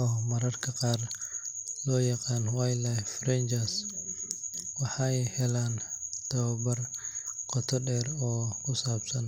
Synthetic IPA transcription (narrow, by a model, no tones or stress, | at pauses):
ɔːmɐɾɐrkʰɐqɑːr | lɔːjɑqɑːnwajlɛfɾɛnt͡ʃɐs | wɑħɑjhɛlaːnt̪ʰɐβɐbɐrqɔt̪ʰɔɖɛːrɔːkʰʊsaːbsɐn